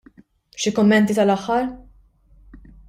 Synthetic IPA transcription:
ʃikʊmːɛnt̪it̪ɐlɐħːɐɾ

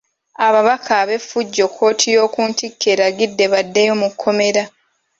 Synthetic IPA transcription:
aβaβakʰaβe̞fuɟːo̞kʰːo̞ːtʰijo̞ːkuːntikʰːe̞ɾaɡidːe̞βadːejo̞mukʰːo̞me̞ɾa

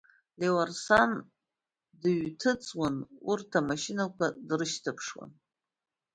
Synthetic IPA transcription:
lewarsan | dɨɥtʰɨt͡sʼwanurtʰamaʃinakʷʰadrɨʃtʰapʰʂwa̰n

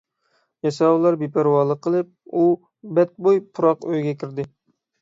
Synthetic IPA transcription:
jɑsɑwlˠɑɾbepʰæɾwɑːlˠəqʰːəlˠɨp̚u | bɛt̪̚bojpʰuɾɑqøjɡʲɛkʲʰiɾd̪ɪ

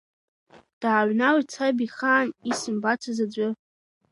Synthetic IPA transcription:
d̥aːɥʷnawit͡sʰabiχaːnisɨmbat͡sʰazad͡ʒʷʼɨ

